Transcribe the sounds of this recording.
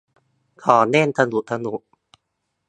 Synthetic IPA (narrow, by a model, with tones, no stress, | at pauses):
kʰɔː˨˩˦nɛ˥˩˨nt̪ʰa˧nu˨ʔt̪ʰa˧nu˨˩˦ʔ